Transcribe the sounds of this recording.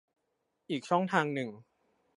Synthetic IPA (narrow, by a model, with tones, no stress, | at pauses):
ʔiː˨˩k̚t͡ɕʰɔ˥˩ŋt̪ʰaː˧ŋnɯ˨˩ŋ